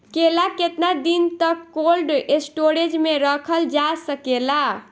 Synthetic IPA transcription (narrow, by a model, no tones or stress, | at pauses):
kelaket̪nad̪int̪əkːolɖesʈoɾed͡ʒmeɾəkʰəld͡ʒasəkela